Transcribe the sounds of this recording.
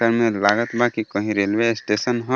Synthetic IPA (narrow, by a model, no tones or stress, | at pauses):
əɾmẽlaːɡət̪bʱakikəɦĩɾeːlʋesʈeːsənɦo